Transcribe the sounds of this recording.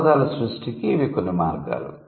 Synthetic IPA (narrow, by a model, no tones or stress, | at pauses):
d̪aːlɐsɾusʈikiʋikonːumaːɾɡa̰ːlṵ